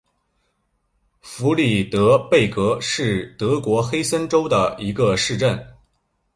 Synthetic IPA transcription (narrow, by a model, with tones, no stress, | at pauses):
fu˧˥li˥˩t̪ɤ˧˥pe˥˩ɪkɤ˧˥ʂɻ̩˥˩t̪ɤ˧˥kwɔ˧˥xe˥ɪsə˥nʈ͡ʂo˥ʊd̪ə˨i˧˥ɡə˧ʂɻ̩˥˧ʈ͡ʂə˥˩n